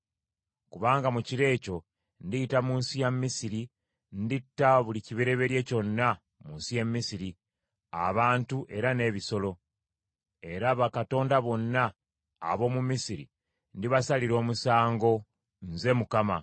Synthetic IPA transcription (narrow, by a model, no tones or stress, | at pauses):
kuβaːŋɡamuciɾe̞ːco̞ | ndijitamuːnsijamːisiɾi | nditːaβuliciβeɾe̞βe̞ɾje̞co̞nːa | munsije̞mːisiɾi | a̰βaːntuʔe̞ɾane̞ːβiso̞lo̞ | e̞ɾaβakato̞ːndaβo̞nːa̰ː | βo̞ːmumisiɾḭ | ndiβasaliɾo̞ːmusaːŋɡo̞ | nze̞mukama